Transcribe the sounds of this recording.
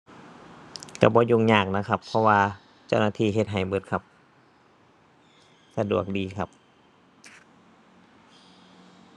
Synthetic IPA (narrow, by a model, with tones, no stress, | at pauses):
ka˧˩bɔː˧˦juː˧˩ŋɲaː˧˩k̚na˧˥kʰa˧˥pʰːɔ˧waː˧ | t͡ɕa˧˩wnaː˧t̪ʰiː˧˩ɦe˧t̪̚ɦa˨˩jbɤ˧˦t̪̚kʰa˧p̚ | sa˧du˨˩ək̚diː˨˦kʰa˧p̚